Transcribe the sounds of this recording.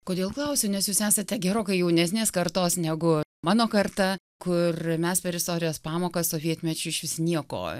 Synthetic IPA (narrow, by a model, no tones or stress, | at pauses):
koːd̪ʲeːlˠklˠɐʊsʲʊnʲɛsjuːsæːsɐt̪ʲɛɡʲɛɾoːkɐɪjɛʊnʲɛsʲnʲeːskɐɾt̪oːsnʲɛɡʊmɑːnoːkɐrt̪ɐ | kʊrmʲɛspʲɛɾɪst̪oːɾʲɪjoːspɑːmoːkɐssoːʋʲiɛt̪ʲmʲɛt͡ʃʲʊɪʃʲʋʲɪsʲnʲiɛko̰ː